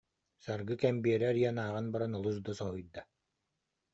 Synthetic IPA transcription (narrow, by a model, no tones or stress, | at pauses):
saɾɡɯkɛmbiɛɾɛɾjanaːʁɯnbaɾanɔlˠusd̪ɔsɔɦujd̪a